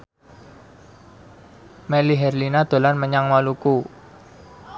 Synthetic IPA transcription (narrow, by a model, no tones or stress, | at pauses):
mɛliɦɛrlinad̪̥o̤lanməɲaŋmaluku